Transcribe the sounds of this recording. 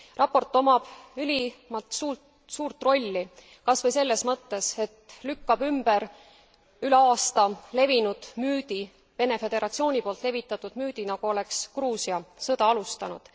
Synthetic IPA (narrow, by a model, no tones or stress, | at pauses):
rʔɑpːo̞rt̪ːˑo̞mɑb̥ylʲimɑt̪suː | suːrt̪ˑro̞lʲːi | kɑsvɤjse̞lːe̞smɤt̪ːe̞se̞t̪lykːɑb̥ymbe̞ɾ | yleɑːst̪ɑle̞vinud̪̥myːd̪̥i | ve̞ne̞fe̞d̪̥e̞ɾʔɑt̪sio̞ːnʲipo̞ːlt̪le̞vit̪ːˑɑt̪ːˑud̪̥myːd̪̥inɑɡ̥uo̞le̞kskruːsiɑsɤd̪ɑɑlust̪ɑnṵd̪̥